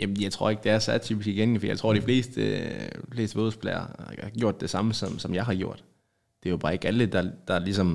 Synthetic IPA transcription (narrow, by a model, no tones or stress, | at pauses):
jæmnjɑ̈ɪt͡sʰʁo̝ɐe̝ɡ̥̚d̥eæɐsæɐ̰t͡sʰy̰ːbisɡ̥iɡ̥en̩fɒdijɑ̈ɪt͡sʰʁo̝̰ɐ̰̥ifle̝̰ːsd̥əfle̝ːsd̥əʋo̝ːðˠspʰlɛ̰ɪɐ̰ɑ̰ɡ̥jo̝ɐ̰d̥ːe̝sɑ̈məsɒ̽msɒ̽mjɑ̈ɪɦɑ̈ɡ̥jo̝ɐ̰d̥ | d̥e̝jo̝b̥ɑ̈ːe̝ɡ̥æləd̥ɑ̈d̥ɑ̈lisɒ̽m